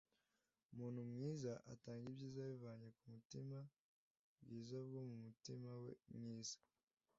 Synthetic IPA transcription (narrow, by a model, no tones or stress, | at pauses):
umuːn̥humŋiːzaʔa̰taːŋɡibjiːzajivaːɲekumutima | bɡiːzabɡomumutimawḛmŋiːzḁ